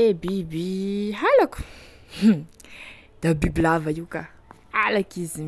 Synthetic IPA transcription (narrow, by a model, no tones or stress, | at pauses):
ebibiɦalaku̥ | d̪̥abibilavaika | alakizi